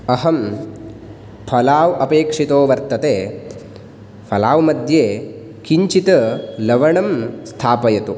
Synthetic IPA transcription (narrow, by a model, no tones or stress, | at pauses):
ɐɦɐm | pʰɐlaːʋʔɐpeːkʂit̪oːʋɐɾt̪ɐt̪eː | pʰɐlaːʋmɐd̪ʱjeː | kiɲt͡ʃit̪ɐlɐʋɐɳɐmst̪ʰaːpɐjɐt̪u